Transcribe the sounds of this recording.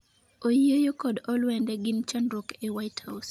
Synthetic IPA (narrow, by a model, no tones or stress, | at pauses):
ojejokɔdɔlwɛndɛɡɪnt͡ʃanɾukewaɪthaʊs